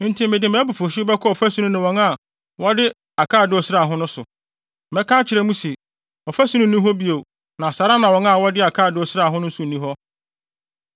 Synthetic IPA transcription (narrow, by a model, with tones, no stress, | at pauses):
n̩˦tʰi˦mɪ̃˨dɪ˨m˨ɛ˦bʊ˨fo˨ɕbɛ˦kʰɔ˦ɔ˨fæ˦sũ˦ũ˦nʊ̃˨wɔ̃˨˦ŋa˨ | wɔ˦dɪ˦ | a˨kʰaː˦˨dɪ˦ɔ˨sɪ˦ɾa˨ɦʊ̃˦nʊ̃˦sʊ˨ | mɛ˦kʰãː˦t͡ɕʰɪ˨ɾɛ˦mũ˦se˨ | ɔ˨fæ˦su˦nʊ̃˦˨nĩ˦ɦɔ˦bi˦o˨ | nã˨sa˨˦ɾa˦nã˨wɔ̃˨˦ŋa˦˨wɔ˦dɪ˦a˨kʰaː˦˨dɪ˨˦ɔ˨sɪ˦ɾa˨ɦʊ̃˦nʊ̃˦n̩˦sʊ˦˨nĩ˦ɦɔ˦